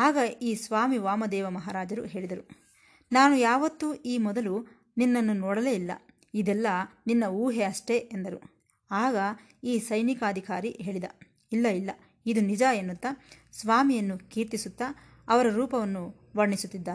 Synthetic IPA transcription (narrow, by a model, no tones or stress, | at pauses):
aːɡɐiːsʋaːmiʋaːmɐd̪ɛːʋɐmɐɦaːɾaːd͡ʒɐɾuɦe̞ːɭid̪ɐɾu | naːnujaːʋɐt̪ːuʔiːmɔd̪ɐlu | ninːɐnːunɔːɽɐle̞ːilːɐ̰ | id̪ɛlːɐninːɐuːɦeɐʂʈe̞ʔend̪ɐɾu | aːɡɐ | iːsɐjnikɐːd̪ʱikaːɾiɦe̞ːɭid̪ɐ | ilːɐilːɐ | id̪unid͡ʒaenːut̪ːɐsʋaːmijɐnːukiːɾt̪isut̪ːɐ | ɐʋɐɾɐɾuːpɐʋɐnːu | ʋɐɾɳisut̪ːid̪ːaː